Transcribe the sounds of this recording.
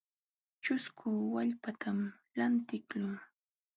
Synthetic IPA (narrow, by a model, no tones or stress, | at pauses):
t͡ʃʊskʰʊːwaʎpat̪ʰam | lant̪ɪkʎʊː